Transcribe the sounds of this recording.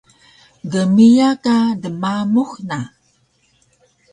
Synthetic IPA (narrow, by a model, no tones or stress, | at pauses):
ɡəmijakadəmamuxna